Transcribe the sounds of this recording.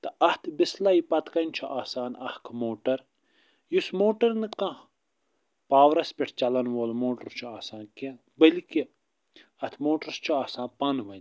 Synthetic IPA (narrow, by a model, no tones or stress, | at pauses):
t̪ɐɐht̪ʰbislaipɐt̪kɐnt͡ʃʰuʔaːsaːnɐ̰hkʰmoːʈɐɾ | jusmoːʈɐɾnɨkã | paːʋɾɐspʲiʈʰt͡ʃɐlɐnʋoːlmoːʈɐɾt͡ʃʰuaːsaːnke | bɐliki | ɐt̪ʰmoːʈɐɾst͡ʃʰuaːsãːnpɐnʋɐn